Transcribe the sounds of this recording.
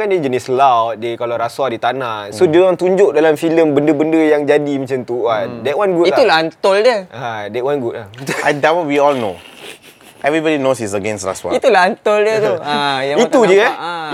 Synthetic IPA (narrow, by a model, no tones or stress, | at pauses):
kanded͡ʒənislawt̪̚dekalaɾaswadit̪anãsodiwãŋt̪uɲd͡ʒʊʔ̚dalamfiləmbəndəbəndəjaŋd͡ʒadimãt͡ʃant̪uadɛʔ̚wanɡuit̪ulant̪oldəadɛtʔ̚wanɡut̚lahadawɔwiɔlno̰ | ʔɛvɾibɔdinosis̬əɡɛ̃nsra̰swa̰it̪ulant̪oldət̪uajait̪ud͡ʒəa